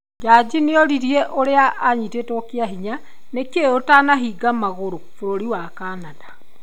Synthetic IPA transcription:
d͡ʒaːd͡ʑineɔɾiɾiɛʔoɾeaʔːɲitetɔkeaɦiɲa | nekeotanaɦiːɡamaɣoɾofoɾoɾiwakaːnana

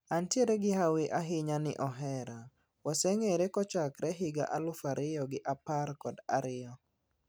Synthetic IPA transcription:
antjeɾeɡɪhawɪʔaɦɪɲanɪ̰ʔɔɦɛɾa | wasɛŋeɾekɔt͡ʃakɾɛɦɪɡa̰ʔalʊfaɾʔɪjɔɡɪʔaparkɔda̰ɾɪjɔ

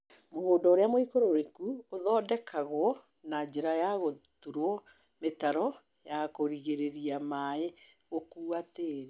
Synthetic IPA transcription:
mohoːndɔoɾeamoikoɾoɾekuoðɔːdɛkʰaɣwɔ | nad͡ʑeɾajaɣotuɾwɔ | metaɾɔ | jakoɾiɣeɾeɾiamae | ɣokuːateɾe

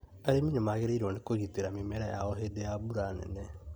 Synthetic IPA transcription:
aɾeminemaɣeɾeiɾonekoɾiteɾamimeɾaɛaɔɦedeabuɾanɛ̰nɛ

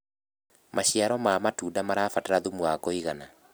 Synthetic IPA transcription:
maɕiaɾɔmamatuːdamaɾaːfataɾaðumuakoiɣana

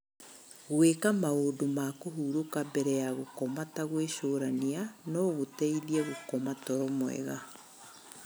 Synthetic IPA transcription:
ɣwekamaodomakoɦuːɾokabɛɾɛjaɣokɔmataɣweʃoːɾanianɔɣotɛiðiɛɣokɔmatɔɾɔmwɛ̰ɣa

